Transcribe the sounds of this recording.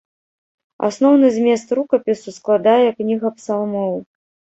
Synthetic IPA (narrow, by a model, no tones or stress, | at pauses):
a̰snɔwn̪ɨzʲmʲɛst̪rukɐpʲisusklˠad̪ajɛknʲiɣɐpsalˠmɔw